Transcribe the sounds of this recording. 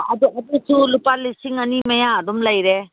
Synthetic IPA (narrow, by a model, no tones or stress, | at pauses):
ad̪uad̪usulupalisiŋɐnimajaːd̪umlajɾe